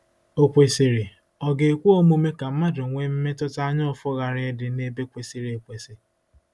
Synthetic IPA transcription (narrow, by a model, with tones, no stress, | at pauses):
o˨kʷe˨si˨ɾi˨ | ɔ˨ɡe˨kʷu˦o˦mu˦me˦ka˨m̩˦ma˦dʊ˨ŋʷe˦m̩˦me˦tʊ˦ta˦ɲɔ˦˨fʊ˦ɣa˨ɾɪ˦dɪ˨ne˦be˦kʷe˨si˨ɾi˨e˨kʷe˨sɪ˨